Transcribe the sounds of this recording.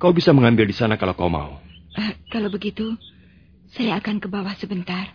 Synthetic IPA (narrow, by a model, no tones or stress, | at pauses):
kaubisaməŋambɪldisanakalokauma̰u | ʔəkalowbəɡit̪u | sajaːkankəbawahsəbənt̪ar